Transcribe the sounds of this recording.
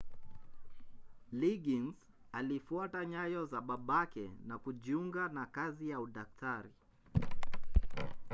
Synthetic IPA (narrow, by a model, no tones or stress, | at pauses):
liɡinz | alifuataɲajɔzaɓaɓakɛ̰nakuʄiuŋɡanakazijauɗak̚tʰaɾi